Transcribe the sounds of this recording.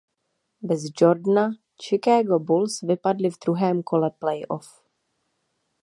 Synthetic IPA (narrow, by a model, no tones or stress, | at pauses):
bɛzd͡ʒoɾdna | t͡ʃɪkaːɡobulsvɪpadlɪvd̪ɾuɦɛːmkʰo̞lɛplɛjʔof